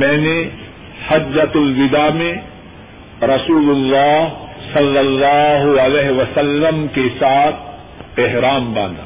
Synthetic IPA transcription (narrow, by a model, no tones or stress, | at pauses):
mɛ̃ːne | hɐd͡ʒːɐt̪lʋɪd̪aːmẽ | ɾɐsuːlʊlːaːɦsɐlːɐlːaːɦʊɐlɛːɦʋɐsɐlːəmkesaːt̪̚ʰ | eɦɾaːmbãːnd̪a̰ː